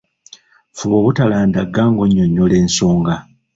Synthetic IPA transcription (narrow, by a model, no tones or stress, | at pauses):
fuβoβutalaːndaɡaːŋɡoɲːoɲːole̞ːnso̞ːŋɡa